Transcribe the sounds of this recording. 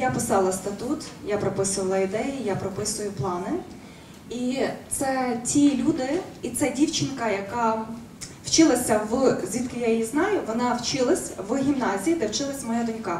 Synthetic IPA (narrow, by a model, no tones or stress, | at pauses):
japɪsɑlˠɐst̪ɐt̪ut̪japɾɔpɪsʊʋɐlˠɐid̪ɛjijapɾɔpɪsʊjʊplˠɑnɪ | it̪sɛtʲilʲud̪ɪit̪sɛdʲiwt͡ʃɪnkɐjɐkɑ | w̥t͡ʃɪlˠɐsʲɐʋzʲʋʲit̪kɪjajɔjiznɑjʊʋɔnɑwt͡ʃɪlˠɐsʲʋɦʲimnɑzʲijid̪ɛwt͡ʃɪlˠɐsʲmɔjɛd̪ʊnʲkɑ